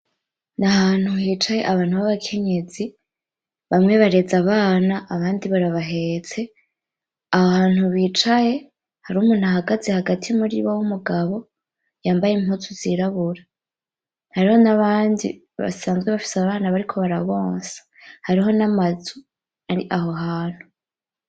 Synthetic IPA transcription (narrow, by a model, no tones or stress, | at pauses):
naɦaːn̥huhiːt͡ʃaje̞̰ʔaβaːn̥uβaβakʰe̞ɲe̞zi | βamŋe̞βaɾe̞d͡zaβaːnaʔːβaːndiβaɾaβaɦe̞t͡se̞ | aaββaːn̥huβiːt͡ʃaje̞ | haɾuːmuːn̥huɦaɡazehaɡatʰimuɾiβawumuɡaβo̞ | jaːmbajemhut͡sʰuziːɾaβuɾa | haɾiho̞naβaːndḭ | βa̰saːnzɡwe̞βafi̥saβaːnaβaɾikʰo̞βaɾaβo̞ːnsḁ | haɾiɦo̞namazu | aɾiʔaɦo̞ɦaːn̥hu